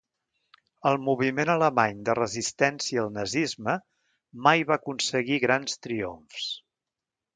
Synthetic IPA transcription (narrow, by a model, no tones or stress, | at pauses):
əlˠmuβ̞imenələmaɲd̪ərəzist̪ɛnsiəːlˠnəzizmə | majβakunsəɣiɣɾanst̪ɾio̰ɱfs